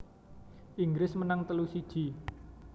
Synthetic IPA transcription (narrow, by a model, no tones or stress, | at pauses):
ʔiŋɡɾɪsmənaŋt̪əlusid̥ʒ̥i̤